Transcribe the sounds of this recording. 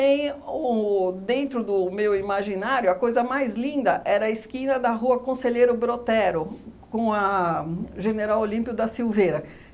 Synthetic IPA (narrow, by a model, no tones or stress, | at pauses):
ẽj̃ʊd̪ẽnt̪ɾʊd̪ʊmewimaʒinaɾjʊɐkojzɐmajzlĩnd̪ɐʔɛɾɐɐɪskĩnɐd̪ɐɦuɐkõseʎejɾʊbɾot̪ɛɾʊkõw̃ɐ | ʒeneɾawolĩpikʊd̪ɐsiwvejɾɐ